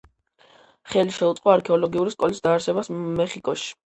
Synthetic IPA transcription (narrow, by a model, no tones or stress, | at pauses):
χɛliʃɛut̪qʼɔaɾkʰɛɔlɔɡiuɾiskʼɔlisd̪aːɾsɛbasmɛχikʼɔʃi̥